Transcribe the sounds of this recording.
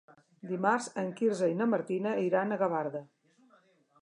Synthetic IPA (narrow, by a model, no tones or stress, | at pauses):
d̪imaɾzəŋkiɾzəinəməɾt̪inəiɾanəɣəβaɾðə